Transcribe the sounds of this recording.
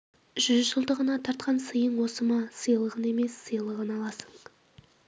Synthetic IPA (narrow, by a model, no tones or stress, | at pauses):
ʒ̥ʏzʒəlˠd̪əʁənɑt̪ʰɑɾt̪̚qʰɑnsəjəɴwo̞səmɑsəjlˠəʁəne̞me̞sːəjlˠəʁənɑlˠɑsəɴ